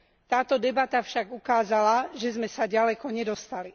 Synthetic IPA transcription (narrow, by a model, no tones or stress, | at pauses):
t̪aːt̪ɔd̪ɛbat̪afʃaɡukaːzalaʒɛzmɛsaɟalɛkɔɲɛd̪ɔst̪ali